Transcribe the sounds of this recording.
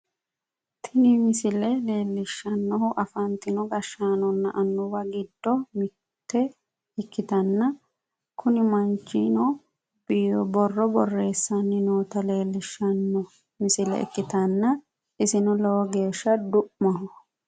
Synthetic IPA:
t̪ʰɪnimɪsɪlɛle̞ːlːɪʃːɐnːɔhʊʔɐfɐnt̪ɪnɔɡɐʃːaːnɔnːɐʔɐnːʊwɐɡɪd̪ːɔmɪ | t̪ːɛ | ɪkːɪt̪ɐnːɐ | kʰʊnɪmɐnt͡ʃːinɔ | biːd̪ɔbɔrːɔbɔrːe̞ːsːɐnːɪnoːt̪ɐle̞ːlːɪʃɐnːɔ | mɪsɪlɛ̰ɪ̰kːɪt̪ɐnːɐ | ɪsɪnɔlɛwɔɡe̞ːʃːɐd̪ʊʔmɐɦʊ

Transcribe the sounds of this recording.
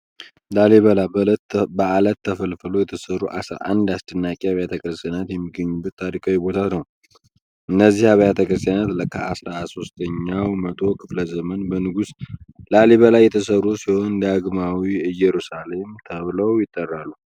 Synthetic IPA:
laleβəlabəalət̪ʰːəfəlfəlo̞jɛt̪ʰəsərːuʔa̰sɾa̰ʔa̰nd̪ast̪ʼɨnːakʼiaβjat̪ʰəkʼɾɨst̪ʼjanat̪jɛmːiɡːəɲːubːət̪ʰːaɾikʰʼawibo̞t̪ʰanəw | ʔɨnːəzːihaβəjat̪ʰəkʼɾɨst̪ʼjanat̪ləkʰəasɾaso̞st̪ʰəɲːawmət̪ʰo̞kʰɨfləzəmənbənɨɡuslaleβəlajːɛt̪ʰəsərːusiho̞nd̪aɡmawiɨjɛɾusale̞mt̪ʰəβləwjɪt̪ʼːərːalːu

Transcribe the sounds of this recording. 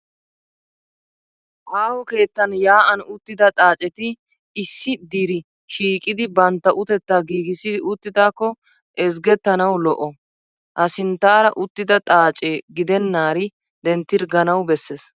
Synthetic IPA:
ʔaːhɔke̞ːt̪ːɐnjaːʔɐnʊt̪ːɪd̪ɐt̪ʼaːt͡ʃʼɛt̪ɪ | ɪsːɪd̪iːɾɪ | ʃiːkʼɪd̪ɪbɐnt̪ːɐʔʊt̪ɛt̪ːaɡiːɡɪsɪʊt̪ːɪd̪aːkːɔ | ʔɛs̬ɡɛt̪ːɐnɐwlɔʔɔ | ʔɐsɪnt̪ːaːɾɐʔʊt̪ːɪd̪ɐt̪ʼaːt͡ʃʼeɡɪd̪ɛnːaːɾɪ | d̪ɛnt̪ːɪɾɡɐnɐwbɛsːɛs

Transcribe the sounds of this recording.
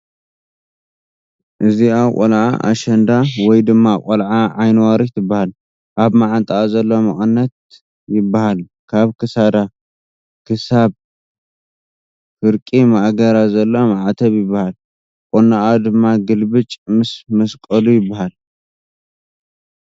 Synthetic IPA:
ʔɨziawkʼolʕa̰ʔa̰ʃɐnd̪awɔjd̪ɨmːakʼolʕaʕajnwaɾit̪ʰɨbːahal | ʔaβmaʕant̪ʼazɐlːo̞mɨχʼɨnːɐt̪̚ | jɪbːahal | kʰaβkʰɨsad̪a | kʰɨsaβ | fɨɾkʼimaʔɡɐɾazɐlːo̞maʕat̪ʰɐβjɪbːahal | kʼonaʔad̪ɨmːaɡɨlbɨt͡ʃʼmɨsmɐskʼɐlujɪbːahal

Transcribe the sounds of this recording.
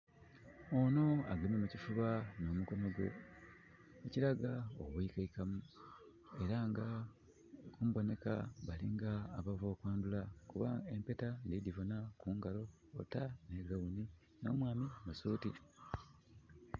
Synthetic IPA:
ono̞a̰ɡalimemucifuβano̞ːmuko̞no̞ɡwe̞̰ | eciɾaɡao̰βwikaikamu | e̞ɾaŋɡa | kumbo̞ne̞ka̰βaliŋɡaːβavo̞ːkwaːndulakuβae̞mpe̞tandidivo̞nakuːŋɡalo̞̰ː | tane̞ɡawuni | no̞ːmwaːmimasuːti

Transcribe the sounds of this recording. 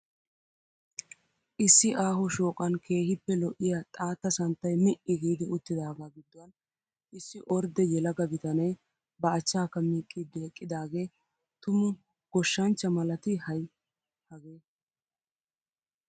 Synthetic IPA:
ʔɪsːɪʔaːɦɔʃo̞ːkʼɐnkʰe̞ːhɪpːɛlɔʔɪjaːt̪ʼaːt̪ːɐsɐnt̪ːɐjmɪʔɪɡiːd̪ɪʊt̪ːɪd̪aːɡaːɡɪd̪ːɔwɐn | ʔɪsːɪʔɔɾd̪ɛjɛlɐɡɐɡɪt̪ɐnɛj | bɐɐt͡ʃːaːkːɐmiːkʼːɪd̪ːɪɛkʼːɪd̪aːɡe̞ː | t̪ʊmʊ | ɡ̥ɔʃːɐnt͡ʃːɐmɐlɐt̪ɪhɐj | hɐɡeː

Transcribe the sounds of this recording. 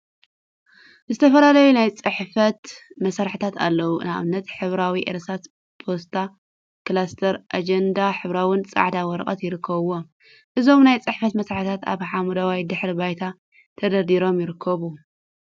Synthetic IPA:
zɨt̪ʰɐfɐlalɐjunajt͡sʼɨħfɐt̪mɐsaɾħɨt̪ʰat̪a̰lːɐwunaβɨnːɐt̪ħɨβɾawiʔeɾsas | pʰost̪ʰa | klast̪ʰɐɾʔad͡ʒend̪aħɨβɾawɨnt͡sʼa̰ʕd̪awɔɾɐkʼɐ̰t̪jɪɾɨkʰːɐβwo | ʔɨzo̞mnajt͡sʼɨħfɐt̪mɐsɾaħt̪ʰat̪a̰βħamud̪awajd̪ɨħɾibajt̪ʰa | t̪ʰɐd̪ɐd̪iɾo̞mjɪɾɨkʰːɐβu

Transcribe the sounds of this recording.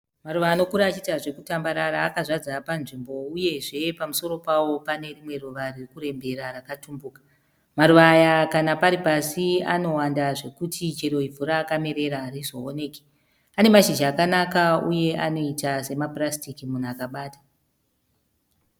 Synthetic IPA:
maɾuʋaːno̞kuɾat͡ʃitaʐe̞kutambaɾaɾaːkazad͡zapanʐimbo̞uje̞ʐe̞pamuso̞ɾo̞pawo̞pane̞rimwe̞ruʋaririkuɾe̞mbe̞ɾaɾakatumbukḁ | maɾuʋaːjakanapaɾipasia̰no̞wandaʐe̞kutʰit͡ʃeɾo̞ivuɾaːkameɾe̞ɾaːɾizo̞one̞ːke̥ | ane̞maʃid͡ʒaakanakauje̞ano̞itase̞maprastikimunuakaɓaːtḁ

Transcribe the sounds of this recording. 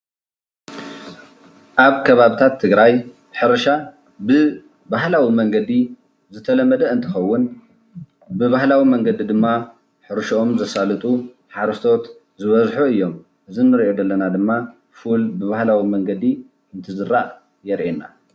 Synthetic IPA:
ʔaβkʰɐβaβɨt̪ʰat̪ʰːɨɡɾaj | ħɨɾɐʃa | bɨ | bahlawimɐŋɡɐd̪i | zɨt̪ʰɐlɐmːɐd̪ɐɨnt̪ʰɨxɐwːʊn | bɨβahlawimɐŋɡɐd̪id̪ɨmːa | ħɨɾʃoomzɐsalɨt̪ʼu | ħaɾɐst̪ʰo̞t̪ | zɨβɐzħuɨjːo̞m | ʔɨzinːɨɾʔo̞d̪ɐlːɐnad̪ɨmːa | fulbɨβahlawimɐŋɡɐd̪i | ɨnt̪ʰɨzɨɾaʔ | jɛɾʔena

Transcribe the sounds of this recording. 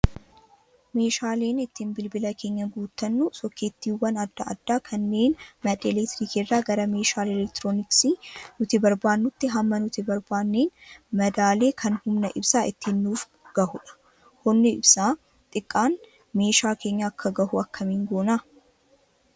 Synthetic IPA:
me̞ːʃaːle̞ːnɪt̪ːɪnbɪlbɪlɐkʰe̞ːɲːɐɡuːt̪ːɐnːusɔkːeːt̪ːiːwɐnɐd̪ːɐʔɐ̰d̪ːaːkʰɐnːe̞ːnmɐᶑ̪ʼelɛkt̪ɾikirːaːɡɐɾɐme̞ːʃaːlɛlɛkt̪ɾoːnɪksinʊt̪ɪbɐɾbaːnːʊt̪ːɪɦɐmːɐnʊt̪ɪbɐɾbaːnːeːnmɐd̪aːle̞ːkʰɐnhʊmnɐʔɪbsaːʔɪt̪ːɪnːuːf | ɡ̥ɐhʊᶑɐ̥ | hʊnːɪɪbsaː | t̪ʼɪkʼːaːn | me̞ːʃaːkʰe̞ːɲːɐːkːɐɡɐhʊɐkːɐmiːŋɡoːna

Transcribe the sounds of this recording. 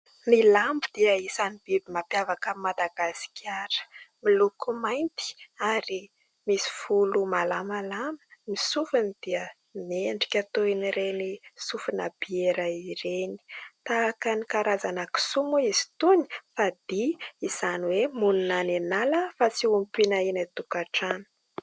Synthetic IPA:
nilambid̪̥iəisanib̥ibimapjavakəmad̪aɡasi̥kʰʲaɾə̥milukumajnt̪i̥aɾi | misi̥fulumalamalamə̥misufunid̪̥iə | meɳɖ͡ʐi̥kʲat̪oiniɾenisufinəb̥ieɾaiɾeni̥t̪aːkanikaɾazanaki̥sumuizi̥t̪uni̥fad̪iiz̥aniwemununanenaləfat͡siumpinainat̪ukaʈ͡ʂanə̥

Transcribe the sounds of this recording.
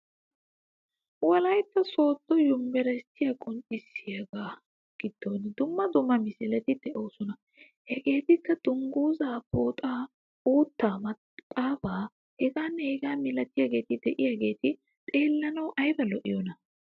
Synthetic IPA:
wɐlɐjt̪ːɐso̞ːt̪ːɔjʊmːɛɾɐɪst̪ːɪjakʼʊnt͡ʃʼɪsːɪjaːɡaː | ɡ̥ɪd̪̥ːoːnd̪ʊmːɐd̪ʊmːɐmɪsɪlɛt̪ɪd̪̥ɛʔo̞ːsɔnɐ | hɛɡe̞ːt̪ɪkːɐd̪̥ʊŋɡuːzaːpoːt̪ʼaː | uːt̪ːaːmɐ | kʼaːbaː | hɛɡaːnːɛhɛɡaːmɪlɐt̪ːɪjaːɡe̞ːt̪ɪd̪ɛʔɪjaːɡe̞ːt̪ɪ | t̪ʼe̞ːlːɐnɐwʔɐjbɐlɔʔɪjɔnɐ

